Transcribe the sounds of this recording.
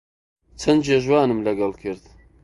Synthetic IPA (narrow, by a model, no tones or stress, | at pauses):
t͡sʰɐnd͡ʒeːʒwɑːnɨmlɐɡɐlkʰɨɾd̪